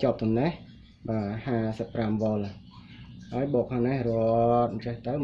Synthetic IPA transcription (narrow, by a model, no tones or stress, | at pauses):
t͡ɕŏəp̚t̪omnɛh | ɓaːhaːsəpːramʋŏəl | haəjɓoːk̚pʰɔŋnɛhrot̪̚mt͡ɕɛht̪əw